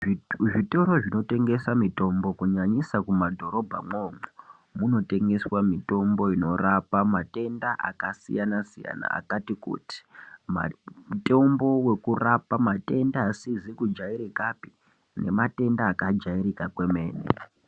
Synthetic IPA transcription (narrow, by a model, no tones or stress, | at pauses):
ʐitoɾo̞ʐino̞te̞ŋɡe̞samito̞mbo̞kuɲaɲisakumadʱo̞ɾo̞bʱa̰moːmo | muno̞te̞ŋɡe̞swamito̞mbo̞ino̞rapamate̞ndaʔa̰kasḭjanasija̰na̰a̰katikṵːti̥ma̰mto̞mbo̞we̞kurapamate̞ndaːsizikud͡ʒaiɾikapi̥ | ne̞̰mate̞ndaːkad͡ʒairikakwe̞me̞ːnḛ